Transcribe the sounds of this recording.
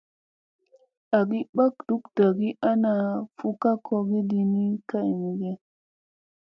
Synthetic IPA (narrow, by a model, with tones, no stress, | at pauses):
a˨ɡi˦ɓa˦k̚d̥u˦kda˨ɡi˦ʔa˦na˨fu˦ka˦ko˧ɡi˦di˧ni˦ka˦i˨mi˨ɡe˦